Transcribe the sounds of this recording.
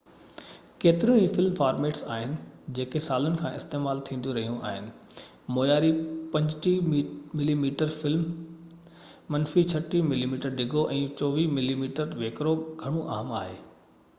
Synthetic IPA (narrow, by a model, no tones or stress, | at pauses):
keːt̪ɪɾə̃ɦiːfɪlmfaːɾmeːʈsa̰ːɦɪnɪ̆d͡ʑeːkesaːlənɪ̆kʰãːʔɪ̰st̪eːmaːlt̪ʰĩːnd̪jũɾɐɦijũʔa̰ːɦɪnɪ̆ | moːjaːɾipɐ̃ɲd͡ʑʈimɪlimiːʈəɾfɪlm | ɐnfit͡ɕʰɐʈimɪlimiːʈəɾɖɪɡʱoʔɛ̃ːt͡ɕɔːʋiːmɪlimiːʈəɾʋeːkɾoɡʱɐɽ̃õʔa̰ːɦma̰ːɦḛː